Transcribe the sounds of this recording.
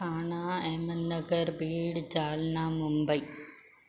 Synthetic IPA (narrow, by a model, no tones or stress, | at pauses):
aːɳaːemɐnːɐɡɐɾbiːɽd͡ʑaːlnaːmumbɐj